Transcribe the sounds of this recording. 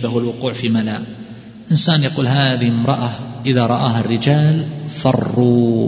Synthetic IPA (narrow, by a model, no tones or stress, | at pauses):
bahwalwʊquːʕfiːmala | ʔɪnsaːnjaquːlɦaːðɪhɪmɾˤɑʔaʔɪðaɾˤɑʔaːɦarːɪd͡ʒaːlfɑrˤːuː